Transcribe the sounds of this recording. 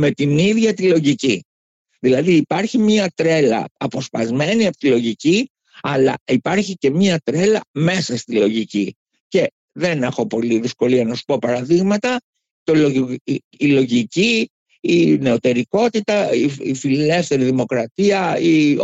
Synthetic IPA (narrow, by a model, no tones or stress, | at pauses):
me̞t̪iniðʝɐt̪ilo̞ʝici | ðilɐðiːpɐɾçimɲɐt̪ɾe̞lɐ̰ɐpo̞spɐzme̞niɐpo̥t̪ilo̞ʝici | ɐlɐ̰ipɐɾçice̞mɲɐt̪ɾe̞lɐme̞sɐst̪ilo̞ʝici | ce̞ | ðe̞ne̞xo̞po̞liðisko̞liɐnɐsu̥po̞pɐɾɐðiɣmɐt̪ɐ | t̪oloː | lo̞ʝiciː | ne̞o̞t̪e̞ɾiko̞t̪it̪ɐiḭfille̞fθe̞ɾiðimo̞kɾɐt̪iɐi